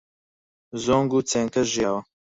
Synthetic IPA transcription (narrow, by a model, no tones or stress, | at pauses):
zoːŋɡuːt͡seːŋkɐʒjaːwɐ